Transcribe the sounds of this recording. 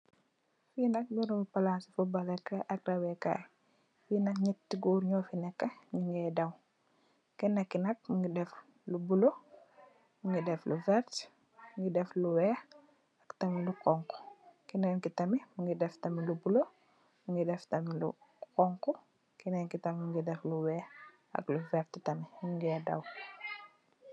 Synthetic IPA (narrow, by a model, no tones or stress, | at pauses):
finɐk̚biɾuŋipalansifubalɛkɐʔɐk̚dawɛka̰j | finɐkɲitːiɡuːɾɲɔːfinɛkːɐɲiŋɡɛdɐw | kinɐkːinɐk̚muŋɡidɛf | lubulo | muŋɡidɛfluvɛɾt | muŋɡidɛfluwɛ | ɐktɐmilukɔŋku̥kinɛnkitɐmimuŋɡidɛftɐmilubulo | muŋɡidɛftɐmilṵkɔŋku | kinɛnkitɐmimuŋɡidɛfluwɛ | ɐ̰kluvɛɾtitɐmiɲuŋɡɛːdɐ̰w